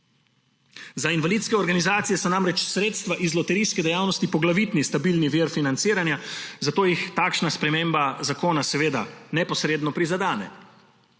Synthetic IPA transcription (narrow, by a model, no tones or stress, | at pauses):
zainʋaliːt̪skɛɔɾɡanizaːt̪sijɛsɔnamɾɛt͡ʃsɾeːt̪st̪ʋaʔizlɔt̪ɛɾiːskɛd̪ɛjaːwnɔst̪ipɔɡlaʋit̪nist̪abilniʋiːɾfinant̪siːɾanjazat̪oːjixt̪aːkʃnaspɾɛmeːmbazakoːnasɛʋeːd̪a̰nɛpɔsɾeːd̪nɔpɾizad̪aːnɛ̰